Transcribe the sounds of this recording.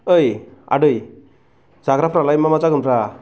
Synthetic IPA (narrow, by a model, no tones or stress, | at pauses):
əja̰ɖɯj | d͡zaɡɾapʰɾalajmamat͡saɡɯmɾa